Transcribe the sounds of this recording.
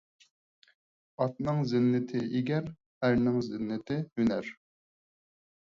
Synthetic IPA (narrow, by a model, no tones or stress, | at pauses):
ɑt̪̚nɨŋzɪnːɪt̪ʰɪʔiɡʲɛɾ | æɾnɨŋzɪnːɪt̪ʰɪhynæɾ